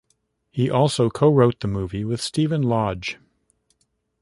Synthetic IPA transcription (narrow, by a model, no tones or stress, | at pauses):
hiʔɔlˠsoʊkʰoʊɹoʊt̪̚ðɨmuviwɨð̥stivɨ̃nlɑd̥d͡ʒ̥